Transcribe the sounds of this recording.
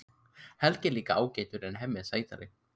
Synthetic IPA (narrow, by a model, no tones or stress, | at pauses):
hɛlcɪliːkaaːwceːjt̪ʏɾɛnɦɛmːɛðsaːjt̪a̰ɾɪ̰